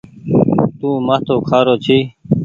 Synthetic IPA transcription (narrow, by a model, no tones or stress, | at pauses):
t̪ũːmət̪ʰoːkʰaːɾoːt͡ɕʰiː